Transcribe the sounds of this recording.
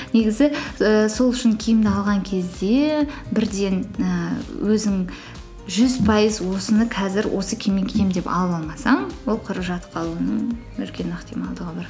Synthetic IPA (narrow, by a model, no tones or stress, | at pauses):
ne̞ɡʲɪzɪəso̞lˠʏʃɪŋkʲʰijɪmd̪ɪɑlˠʁɑŋkʲʰe̞zd̪e̞bɪɾd̪e̞nəwʔɵzɪŋ | ʒʏzpʰɑjəzwo̞sənəqʰɑzɪɾwʔo̞səkʲʰe̞meŋkʲʰejmd̪epɑ̰lˠɑlˠmɑsɑɴwo̞lˠqʰʊɾəʒɑt̪qʰɑlˠuənəɴ | ʏ̰ɾkʲe̞nəqt̪ijmɑlˠd̪əʁəbɑɾ